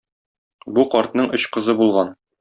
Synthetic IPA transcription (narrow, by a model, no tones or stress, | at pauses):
buqɒɾt̪nɤɴɵɕqɤ̆zɤbulˠʁɑn